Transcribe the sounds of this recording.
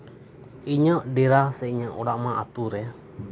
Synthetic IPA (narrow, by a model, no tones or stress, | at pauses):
iɲɔʔdɛɾasɛiɲɔʔuɽaʔmaʔa̰t̪uɾɛ